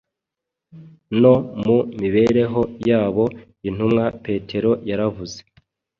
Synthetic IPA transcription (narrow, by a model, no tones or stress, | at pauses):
no̞mumiβe̞ɾe̞ɦo̞jaːβo̞ | in̥humŋape̞ːtʰe̞ɾo̞jaɾavuze